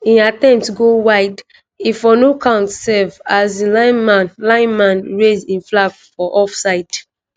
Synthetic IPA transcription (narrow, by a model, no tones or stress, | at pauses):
ĩnatɛ̃mp̚tɡowaɪd | ifɔnokʰãʊ̃ntsɛvazĩlaɪnmanlãɪ̃nmãnɹezĩnflaɡfɔʔɔfsaɪd